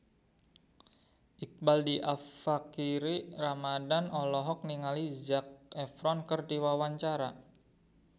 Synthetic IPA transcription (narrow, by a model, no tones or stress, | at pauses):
ʔik̚baldiʔafakiɾiramadanɔlɔɦɔk̚niŋalid͡ʒak̚ɛfɾɔnkərdiwawaɲt͡ʃaɾa